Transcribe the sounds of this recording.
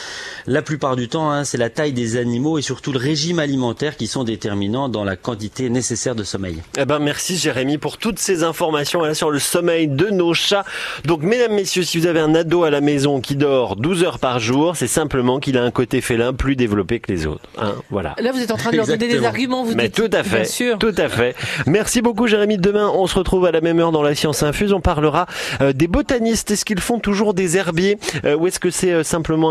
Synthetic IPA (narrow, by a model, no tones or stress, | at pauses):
laplypaʁd̪yt̪ɑ̃ɛ̃sɛlat̪ajd̪ezanimoesyʁt̪uləʁeʒimalimɑ̃t̪ɛʁkʲisɔ̃d̪et̪ɛʁminɑ̃d̪ɑ̃lakɑ̃t̪it̪enesesɛʁd̪əsɔmɛ̰jebɛ̃mɛʁsiʒeʁemipuʁt̪ut̪sezɛ̃fɔʁmasjɔ̃valasyʁləsɔmɛjd̪ənoʃad̪ɔ̃kmed̪amːesjøsivuzaveɛ̃nad̪oalamezɔ̃kʲid̪ɔʁd̪uzœʁpaʁʒuːʁsɛsɛ̃pləmɑ̃kilaɛ̃kot̪efɛlɛ̃plyd̪evlɔpekəlḛzo̰ːt̪χɛ̰̃vwa̰la̰lavuzɛt̪ɑ̃t̪χɛ̃d̪lzaɔned̪ezaʁɡʲymɑ̃vumɛt̪ut̪afɛsyːʁt̪ut̪affɛmɛʁsibok̬uʒeʁemid̪əmɛ̃ʔɔ̃səʁət̪χuvalamɛmœʁd̪ɑ̃lasjɑ̃sɛ̃fyzɔ̃paʁləʁaød̪ebɔt̪anist̪ɛskilfɔ̃t̪uʒuʁd̪ezɛʁbjeøuɛskəsɛøsɛ̃pləmɑ̃